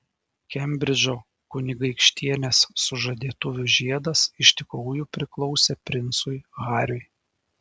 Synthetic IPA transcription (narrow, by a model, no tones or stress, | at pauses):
kʲɛmʲbʲɾʲɪd͡ʒʲoː | kʊnʲɪɡɐɪkʃʲt̪ʲiɛnʲesːʊʒɐd̪ʲiɛt̪ʊʋʲʊʒʲiɛd̪ɐsɪʃʲt̪ʲɪkɾuʊjupʲɾʲɪklˠɒʊsʲepʲɾʲɪnt̪sʊjɣɑːɾʲʊɪ